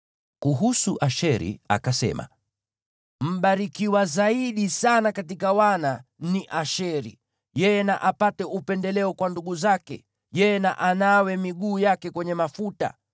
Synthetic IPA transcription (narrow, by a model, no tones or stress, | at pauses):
kuɦusuʔaʃɛɾḭa̰kasɛ̰ma̰ | m̩ɓaɾikiwazaiɗisanakatikawananiʔaʃɛɾḭ | jɛjɛnaʔapatɛupɛndɛlɛɔkwanduɠuzakɛ̰ | jɛjɛnaʔanawɛmiɠuːjakɛkwɛɲɛmafuta̰